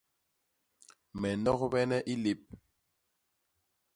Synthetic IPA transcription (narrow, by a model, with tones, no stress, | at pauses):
mɛ˨nɔ˦kbɛ˦nɛ˦ʔi˦li˦˨p̚